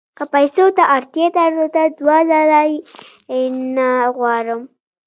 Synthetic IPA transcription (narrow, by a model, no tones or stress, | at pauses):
kəpajsot̪aʔːɾt̪jat̪aɾlot̪ad̪wazalaj | naɣwɑɾəm